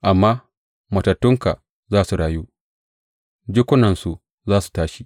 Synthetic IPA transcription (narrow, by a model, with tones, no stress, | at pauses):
ʔa˨mːaː˦ | mɐ˨tɐ˨tːʊ˦ŋka˨ | zaː˦su˨ɽaː˨ju˦ | d͡ʒɪ˦kʷʊ˦nɐ˨nsu˨ʔ | zaː˦su̥˨taː˦ʃi˦